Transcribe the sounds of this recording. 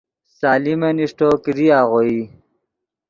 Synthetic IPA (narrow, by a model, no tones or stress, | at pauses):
saːlimeniʂʈokiɾiaːʁoi